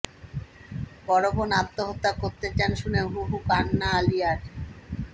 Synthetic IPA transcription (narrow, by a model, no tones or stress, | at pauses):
ɡɔɾobonat̪ːoɦot̪ːakoɾt̪et͡ɕanʃuneɦuɦukanːaalijaɾ